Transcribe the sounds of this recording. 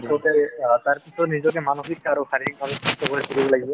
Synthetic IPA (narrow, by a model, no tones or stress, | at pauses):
ɔkɛtaɹpisʰɔtnizɔk̬ɛmanuxikaɹuxaɹik̚bʱabɛsɔstɔkɔɹɛkuɹibɔlaɡibɔ